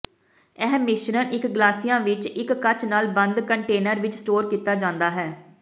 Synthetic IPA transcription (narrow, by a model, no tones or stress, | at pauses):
ɛːmɪʃnənʔɪkɡlaːsijãːʋɪt͡ʃɪkːət͡ʃnaːlbənd̪kəɳʈeːnəɾʋɪt͡ʃsʈoːɾkiːt̪aːd͡ʒãːnd̪aːɦɛː